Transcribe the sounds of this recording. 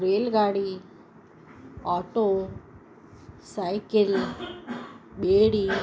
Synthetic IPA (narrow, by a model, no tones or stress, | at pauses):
ɾeːlɡaːɽi | ɔːʈoː | saɪkɪl | beːɽi